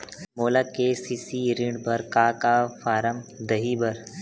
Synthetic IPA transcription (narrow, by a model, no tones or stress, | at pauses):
moːlakesiːsiɾĩɳɖbɐɾkaːkafʰaːɾəmd̪ɐɦibɐɾ